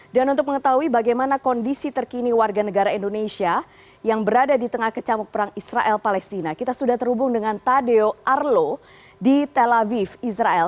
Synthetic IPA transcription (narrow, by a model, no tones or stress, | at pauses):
danunt̪ʊk̚məŋət̪aɦuibaɡajmanakɔndisit̪ərkiniwarɡanəɡaɾaindonesia | jaŋbəɾadadit̪əŋahkət͡ʃamɔk̚pəɾaŋisraʔɛlpalɛst̪inakit̪asudaht̪ərhubʊŋdəŋant̪adeoʔarlo | dit̪elavifisɾaɛl